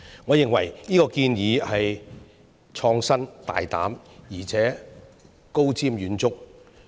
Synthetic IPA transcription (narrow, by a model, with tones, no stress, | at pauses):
ŋɔː˨˧jɪ˨ŋwɐ̰˨˩jniː˥kɔː˧kiː˧njiː˨˧hɐ˨j | t͡ʃʰɔː˧ŋsɐ˥nt̪a̰ː˨jt̪a̰ː˨˥m | jiː˨˩t͡sʰɛː˨˥ | ko˥wt͡siː˥mjyː˨˧nt͡sʊ˥k̚